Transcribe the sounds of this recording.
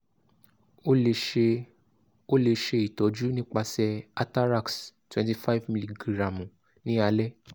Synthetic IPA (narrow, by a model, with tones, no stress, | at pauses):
o˦le˧ʃe˧i˨tɔ˨˦d͡ʒu˦nĩ˦k͡pa˧sɛ˧a˧ta˦ɾa˦˨kstwɛ̃˦nti˧fa˦i˦vmi˧li˦ɡɾã˨mũ˨ | nĩ˦a˧lɛ˦